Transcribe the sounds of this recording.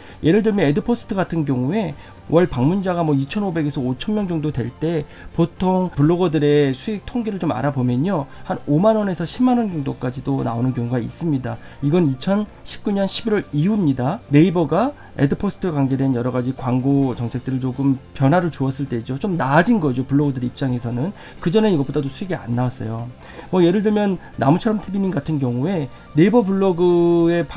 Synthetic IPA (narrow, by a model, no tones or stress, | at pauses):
jʔe̞ɾɯɭdɯɭmjʌe̞dɯpʰosʰɯ̥tʰɯɡatʰɯnk̬jʌŋue̞ | wʔʌɭpaŋmund͡ʑaɡamwʌit͡ɕʰʌnobe̞ɡe̞sʰʌot͡ɕʰʌnmjʌŋd͡ʑʌŋdodwe̞ɭt͈e̞ | potʰoŋpuɭːoɡʌdɯɾe̞sʰuek̚tʰoŋɡeɾɯɭt͡ɕoma̰ɾabomjʌɲohanomanwʌne̞sʰʌɕʰimːanwʌnd͡ʑʌŋdok͈ad͡ʑidona̰onɯnkjʌŋuɡaḭs͈ɯmɲida | iɡʌnit͡ɕʰʌnɕʰi̥p̚k͈uɲʌnɕʰibiɾwʌɾiumɲidane̞ibʌɡa | e̞̰dɯpʰosʰɯ̥tʰɯkwaŋɡe̞dwe̞njʌɾʌɡad͡ʑikwaŋɡot͡ɕʌŋsʰe̞k̚t͈ɯɾɯɭt͡ɕoɡɯmpjʌnɦwaɾɯɭt͡ɕuʌs͈ɯɭt͈e̞d͡ʑot͡ɕomnad͡ʑinɡʌd͡ʑopuɭːoɡɯdɯɾeip̚t͡ɕ͈aŋe̞sʰʌnɯn | kɯd͡ʑʌne̞iɡʌp͈odadosʰuiɡea̰nːawas͈ʌ̰jo | mʌje̞ɾɯɭdɯɭmjʌnːamut͡ɕʰʌɾʌmtʰibiɲinɡatʰɯnɡjʌŋue̞ | ne̞ibʌbuɭːoɡɯe̞p